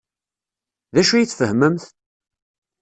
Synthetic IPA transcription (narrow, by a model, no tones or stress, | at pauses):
ðæʃujət͡sːfəhməmθ